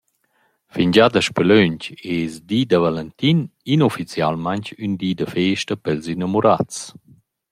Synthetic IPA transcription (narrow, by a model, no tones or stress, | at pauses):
fiɲd͡ʑad̪əʃpɛløɲcesd̪iːd̪əvalɛnt̪ininofit͡sjalmaɲcynd̪iːd̪əfeːʃtəpɛlzinamuɾat͡s